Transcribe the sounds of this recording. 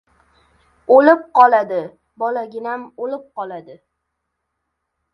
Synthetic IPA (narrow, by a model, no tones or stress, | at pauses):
olɪp̚qɒlˠad̪ɪ | bɒlaɡʲɪnamolɪp̚qɒlˠad̪ɪ